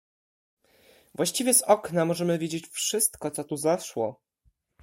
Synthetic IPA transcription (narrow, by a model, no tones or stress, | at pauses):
vwaɕt͡ɕivʲjɛzɔknamɔʐɛmɘvʲjed͡ʑet͡ɕfʂɘst̪kɔt̪sɔt̪uzaʂwɔ